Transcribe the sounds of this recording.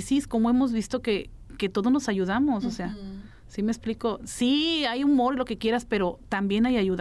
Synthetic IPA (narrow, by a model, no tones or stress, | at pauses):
sisko̞mo̞e̞mo̞zβist̪o̞ke̞ | ke̞t̪o̞ðo̞no̞saʝuðamo̞sose̞a | simekspliko̞siajumo̞ɾilo̞ke̞kje̞ɾaspe̞ɾo̞t̪ambje̞najaʝuð